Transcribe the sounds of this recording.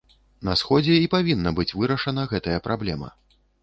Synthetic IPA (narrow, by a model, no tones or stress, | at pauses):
nɐsxɔd͡zʲɛipavʲinːɐbɨt͡sʲvɨɾɐʂɐnɐɣɛt̪ɐjɐpɾablʲɛmɐ̰